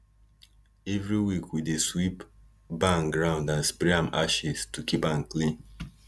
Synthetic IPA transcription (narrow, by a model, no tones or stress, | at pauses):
evɾiwikwideswip | bãnɡɾãʊ̃ndãnspɾiãma̰ʃistukipãnklĩn